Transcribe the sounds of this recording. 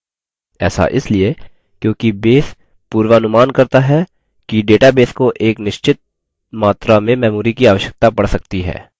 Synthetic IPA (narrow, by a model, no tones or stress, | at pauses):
ɛ̰ːsa̰ʔɪslie | kjõːkibeːs | puːɾwəɐnʊmaːnkɐɾt̪aɦɛ | kiɖeːʈabeːskoʔeːknɪʃt͡ʃɪt̪̚ | maːt̪ɾamẽmɛːmuːɾikiaːʋəʃjək̚t̪apɐɽsɐk̚t̪iɦɛ̰ː